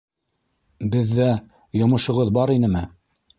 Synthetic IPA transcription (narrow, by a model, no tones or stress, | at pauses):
bɘ̆ðːæ | jŏmɤ̆ʃŏʁɤðbɑɾinɘmɘ